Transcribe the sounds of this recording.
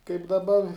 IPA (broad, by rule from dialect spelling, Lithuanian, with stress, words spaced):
kɐɪp dɐˈbɐ